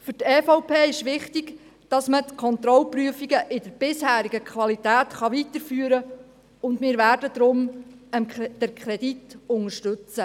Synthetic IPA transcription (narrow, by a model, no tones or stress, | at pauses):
fʏtɛːfɔʊpeːɪʃʋɪχtiɡ̥ | d̥ɑsmətkʰɔnt̪ɾɔlpryəfiɡəʔɪdəɾb̥ɪshæːɾiɡəkʰχʋɑlit̪æːt̪χɑʋit̪əɾfyːəɾə | ʊndmɪːɾʋæːrdəd̥̪ɾʊm | əmd̥ɛɾkʰɾɛd̥̪itʊŋəɾʃtʏt͡sə